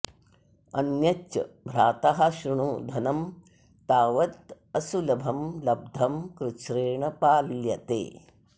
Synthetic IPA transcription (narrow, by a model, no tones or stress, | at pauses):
ɐnjɐt͡ʃːɐ̰bʱɾaːt̪aɦɐʃɾuɳud̪ʱɐnɐm | t̪aːʋɐt̪ | ɐsulɐbʱɐmlɐb̚d̪ʱɐmkɾɪt͡ʃɾeːɳɐpaːljɐt̪ḛː